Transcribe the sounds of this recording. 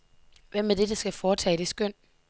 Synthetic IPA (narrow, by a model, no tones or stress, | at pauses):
ʋem̰ːed̥edəsɡ̥æfɒːt͡sʰɛ̰ːd̥e̝sɡ̥øn̰